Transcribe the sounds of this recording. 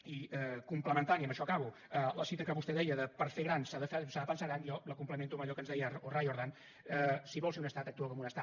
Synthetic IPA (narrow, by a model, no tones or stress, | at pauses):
iɛkumpləmənt̪aniəmbəʃɔkaβu | ələsit̪əkəβust̪ɛðɛjəðəpəɾfeɣɾansaðəfsaðəpənsaɣɾanijɔləkumpləment̪uməʎɔkənzðɛjəorajoɾðan | əsiβɔlˠseunəst̪at̪ək̚t̪uakomunəst̪a